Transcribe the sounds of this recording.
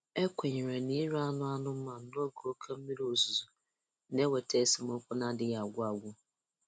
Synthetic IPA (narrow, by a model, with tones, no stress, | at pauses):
e˦kʷe˨ɲɪ˨ɾe˨ni˦ɾa˦nʊ˦a˦nʊ˦m̩˦ma˨n̩˦do˦ɡo˨o˦kʰe˦m̩˦mi˦ɾo˨zu˨zu˨˦ | ne˦we˨tʰe˦˨˦sɪ˨mo˦kʷʊ˦na˦dɪ˦ɣa˨ɡʷʊ˦a˨ɡʷʊ˦